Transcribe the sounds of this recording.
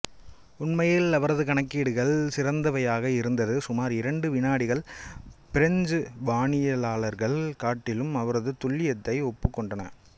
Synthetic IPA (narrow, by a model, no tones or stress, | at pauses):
ʊɳmɐjɪlɐʋɐɾɐðɯkɐɳɐkːiːɽɯɣɐɭsɪɾɐnd̪ɐʋɐjaːɣɐɪɾɯnd̪ɐðɯsʊmaːɾɪɾɐɳɖɯʋɪnaːɽɪɣɐɭpɪɾɐɲd͡ʒɯʋaːɳɪjɐlaːɭɐɾɣɐɭkaːʈːɪlɯmɐʋɐɾɐðɯt̪ʊɭːɪjɐt̪ːɐɪɔpːɯkːɔɳɖɐnɐ̰